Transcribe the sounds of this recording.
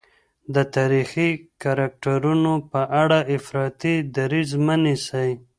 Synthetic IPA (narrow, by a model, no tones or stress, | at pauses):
d̪ət̪ɑɾixikaɾak̚ʈaɾunopəʔaɽaɪfɾɑt̪id̪aɾizmənisaj